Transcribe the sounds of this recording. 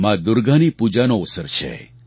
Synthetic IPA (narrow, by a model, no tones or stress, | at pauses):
mãd̪ʊɾɡanipud͡ʒanoʊsəɾt͡ʃʰḛ